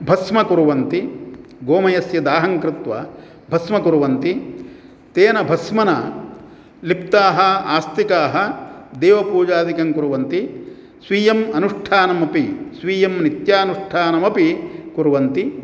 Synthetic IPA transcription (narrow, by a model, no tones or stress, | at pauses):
bʱɐsmɐkuɾuʋɐnt̪iɡoːmɐjɐsjɐd̪aːɦɐŋkɾɪt̪ʋɐ̰ | bʱɐsmɐkuɾuʋɐnt̪i | t̪eːnɐbʱɐsmɐnɐ̰ | lipt̪aːɦɐ̆aːst̪ikaːɦɐ̆d̪eːʋɐpuːd͡ʒaːd̪ikɐŋkuɾuʋɐnt̪i | sʋiːjɐmɐnuʂʈʰaːnɐmɐpisʋiːjɐmnit̪jaːɐnuʂʈʰaːnɐmɐpikuɾuʋɐnt̪i